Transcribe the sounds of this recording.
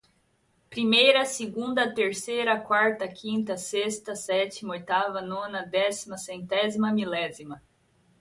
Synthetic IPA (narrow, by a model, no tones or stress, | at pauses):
pɾimejɾɐsɪɡũnd̪ɐt̪eɾsejɾɐkwaɾt̪ɐkʰĩnt̪ɐsest̪ɐsɛt͡ʃimɐojt̪avɐnõnɐd̪ɛsimɐsẽnt̪ɛzimɐmilɛzimɐ